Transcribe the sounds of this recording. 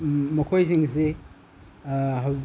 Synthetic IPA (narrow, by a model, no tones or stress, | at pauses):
mɐkʰojziŋse | ɦɐw